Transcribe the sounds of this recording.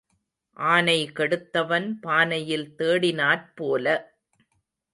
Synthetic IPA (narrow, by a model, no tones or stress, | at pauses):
ʔaːnɐɪkɛɽɯt̪ːɐʋɐnpaːnɐjɪlt̪eːɽɪnaːɾpoːlɐ